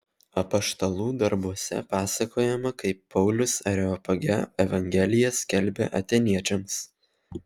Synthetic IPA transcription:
ɐpɐʃt̪ɐlˠuːd̪ɐɾbuɔsʲɛ̰pɑːsɐkoːjɛmɐkɐɪpːɒʊlʲʊsɐɾʲɛɔpɐɡʲɛ̰ɛʋɐŋʲɡʲɛlʲɪjɛsʲkʲɛlʲbʲḛʔɐ̰t̪ʲenʲiɛt͡ʃʲɛms

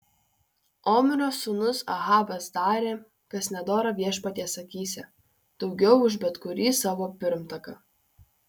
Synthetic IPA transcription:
oːmʲɪɾʲoːsʊnʊsɐ̰ɣɑːʋʲɐsd̪ɑːɾʲeː | kɐsʲnʲɛd̪oːɾɐʋʲiɛʃpɐt̪ʲesɐkʲiːsʲɛ | d̪̥ɒʊɡʲɛʊʊʒbʲɛt̪kʊɾʲiːsɑːʋoːpʲɪɾmt̪ɐkɐ

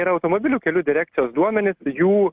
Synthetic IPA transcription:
iɾɐɐʊt̪omobʲɪlʲuːkʲɛlʲuːd̪ʲɪɾʲæːk̚t̪sʲɪjoːsd̪uɔmʲɛnʲɪsjuː

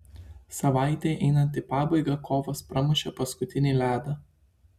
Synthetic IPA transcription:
sɐʋɑˑɪt̪ʲeːʔɛɪnɐnt̪ʲɪpɑːbɐɪɡɐkoːʋospɾɐmʊʃʲɛpɐskʊt̪ʲɪnʲelʲæːd̪ɐ

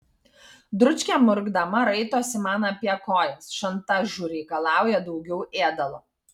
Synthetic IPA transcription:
d̪ɾʊt͡ʃʲkʲɛmʊɾɡd̪ɐmɐɾɐɪt̪oːsʲɪmɑːnɐːpʲiɛkoːjɛsʃɐnt̪ɑʒuːɾʲɛɪkɐlˠɑˑʊjɛd̪ɒʊɡʲɛʊʔeːd̪ɐlˠoː

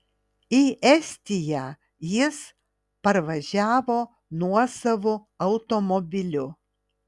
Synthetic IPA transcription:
iʔɛsʲt̪ʲɪjæ | jɪs | pɐɾʋɐʒʲæːʋoː | nuɔsɐʋo | ɐʊt̪omɔbʲɪlʲʊ

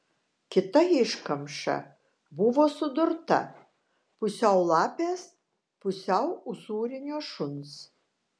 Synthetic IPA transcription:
kʲɪt̪ɐɪʃkɐmʃɐ̰ | bʊʋoːsʊd̪ʊɾt̪ɐ̰ | pʊsʲɛʊlˠɑːpʲeːs | pʊsʲɛʊʊsuːɾʲɪnʲoːʃʊns

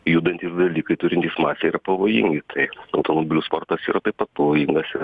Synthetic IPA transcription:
juːd̪ɐnʲt̪ʲiːsd̪ɐlʲiːkɐɪt̪ʊɾʲɪnt̪ʲiːsmɑːsʲjɛiːɾɐpɐʋoːjɪ̰ŋɡʲɪt̪ʰɐɪɐʊt̪omobʲɪlʲuspoːɾt̪ɐsḭːɾɐt̪ɐɪpɐt̪̚pɐʋoːjɪŋɡɐsɪ

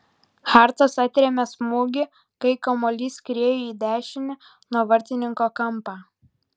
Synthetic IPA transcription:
xɑˑɾt̪ɐsɐt̪ʲɾʲɛmʲɛsmuːɡʲɪ | kɐɪkɐmɔːlʲiːskɾʲiɛjuiːd̪ʲæːʃʲɪnʲɪ | nuɔʋɐɾʲt̪ʲɪnʲɪŋkoːkɐmpɑː

